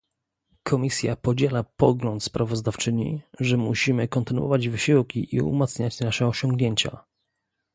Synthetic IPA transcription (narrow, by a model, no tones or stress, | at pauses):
kʰɔmʲisʲjapɔd͡ʑɛlapɔɡlɔnt̪spɾavɔzd̪aft͡ʂɘɲḭʐɛmuɕimɘkɔnt̪ɘnṵwɔ̰vad͡ʑvɘɕiwkʲiʔiṵmat̪sɲat͡ɕnaʂɛɔɕɔŋɡɲeɲt͡ɕa̰